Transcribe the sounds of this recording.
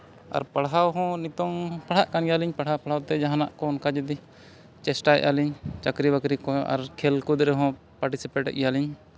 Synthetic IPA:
a̰ɾpaɽawɦɔ̃nit̪ɔŋpaɽ̤haʔkanjaliɲpaɽ̤apaɽ̤awt̪ɛd͡ʒaɦanaʔkɔɔnkad͡ʒɛd̪i | t͡ʃɛsʈaɛ̰ʔaliɲt͡ʃakɾibakɾikɔa̰ɾkʰɛlkud̪ɾɛɦɔ̃ | paɾʈisipeʈɛ̰ʔjaliɲ

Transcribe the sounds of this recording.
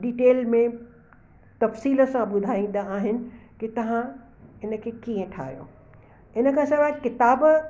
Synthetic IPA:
ɖiːʈeːlmẽ | t̪ɐfsiːlə̆sãɓʊd̪ʱaːĩːn̆d̪aaːɦɪnɪ̆kit̪ɐʋ̤ã | ɪnə̆kʰeːkiːə̃ʈʰa̰ːɦjo̰ː | ɪnə̆kʰãːsɐbakɪt̪aːb

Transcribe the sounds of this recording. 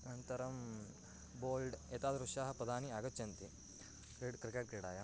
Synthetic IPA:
ɐnt̪ɐɾɐm | boːlɖeːt̪aːd̪ɾuʃaːɦɐpɾɐd̪aːniaːɡɐtːt͡ʃɐnt̪i | kɾeʈkɾikeːʈ̚kɾeːɽaːjɐ

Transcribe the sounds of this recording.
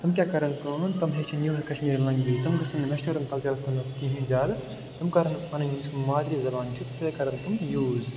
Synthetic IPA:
t̪ɐmkʲjaːkɐɾɐnkɐ̃nt̪ɐmɦeːt͡ʃʰinjuːɦɐkɐʃmiːɾlɐ̃ŋɡjiːzt̪ɐmɡɐsɐnmɐʃʈɐɾɐmk̪ɐlt͡ʃɐɾɐst̪ɐmɐst̪ĩːɦĩd͡ʒaːl | t̪ɐmkɐɾɐnpɐnɐnjũːsmaːd̪ɾiːzɐbaːnt͡ʃʰit̪feːkɐɾɐnt̪umjuːz

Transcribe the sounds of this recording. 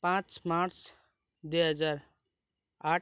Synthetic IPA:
pãt͡ʃmaɾt͡s | d̪eɦəd͡zaɾ | a

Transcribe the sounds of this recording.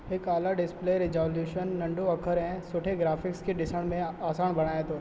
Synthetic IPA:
ɪkaːlaɖɪspleːɾɪzoːljuːʃənːɐ̃ɳɖoɐkʰəɾɦɛ̃sʊʈʰeɡɾaːfʰɪkskeɖɪsəɽ̃mẽaːsaːnbɐɽ̃aːet̪oː

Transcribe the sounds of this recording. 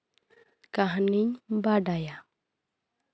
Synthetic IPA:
kaɦniɲbaɖaja

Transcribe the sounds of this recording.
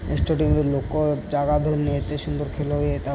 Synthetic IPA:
ḛsʈoʈiŋɾelokːod͡ʑaɡad̪ʱoɾniet̪eʃund̪oɾkʰeloɦojet̪a

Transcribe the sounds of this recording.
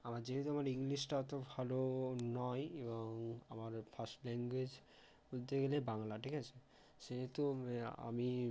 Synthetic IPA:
amaɾd͡ʑeɦet̪oamaɾiŋliʃʈat̪obʱalonɔjebɔŋamaɾfʰasʈlɛŋɡwed͡ʑ | ut̪eɡelebaŋlaʈʰikat͡ɕʰe | ʃeɦet̪oa̰mi

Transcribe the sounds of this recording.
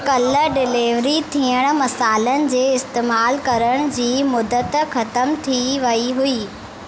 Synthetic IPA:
kɐləɖɪleːʋɾit̪ʰiːəɽ̃̆mɐsaːlənɪ̆d͡ʑeːɪst̪eːmaːlkɐɾəɽ̃d͡ʑiːmʊd̪ət̪xɐt̪əmt̪ʰiʋɐiɦuiː

